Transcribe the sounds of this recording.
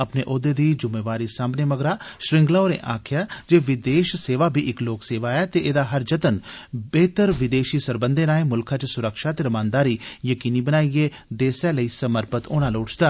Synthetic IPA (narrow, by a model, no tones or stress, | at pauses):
əpneːʔoːd̪eːd̪iːd͡ʒʊmeːʋaːɾiːsaːmbneːməɡɾaːʃɾɪ̃ŋɡlaːoːɾḛːʔa̰ːkʰɪjaːd͡ʒeːʋɪd̪eːʃseːʋaːbʱiːʔɪkloːkseːʋaːɛːt̪eːʔeːd̪aːɦəɾd͡ʒət̪ənbeːt̪əɾʋɪd̪eːʃiːsəɾbənd̪ẽːɾãːẽːmʊlkʰãːt͡ʃsʊɾəkʃaːt̪eːɾəmãːnd̪aːɾiːjəkiːniːbənaːieː | d̪eːsɛːləiːsəməɾpət̪oːnãːloːʈt͡ʃd̪aː